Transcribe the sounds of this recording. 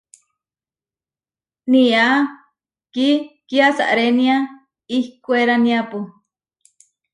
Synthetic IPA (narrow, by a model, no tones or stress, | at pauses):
nia | kikiasa̰ʔɾenĩa | ihkueɾanĩapu